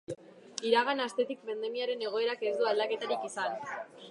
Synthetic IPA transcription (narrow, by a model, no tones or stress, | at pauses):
iɾaɣ̞anast̪e̞t̪ik̚bend̪e̞miaɾe̞ne̞ɣ̞o̞e̞ɾake̞zd̪uald̪ake̞t̪aɾikisan